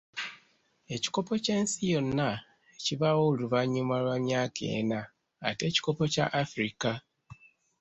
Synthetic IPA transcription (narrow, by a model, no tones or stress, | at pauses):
e̞ci̥ko̞po̞ce̞ːnsijo̞nːa | eciβawouluβaɲːumalwamjaːkʰe̞̰ːna̰ː | te̞ːci̥ko̞po̞ca̰ʔːfɾika